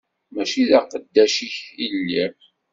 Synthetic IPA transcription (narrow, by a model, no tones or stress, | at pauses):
mæʃiðæqəd̪ːæʃiçilːi